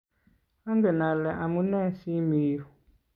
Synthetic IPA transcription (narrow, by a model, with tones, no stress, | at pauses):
a˦ŋɡɛ˨na˨lɛ˨ʔa˨mu˦nɛ˦si˦miː˦hu˨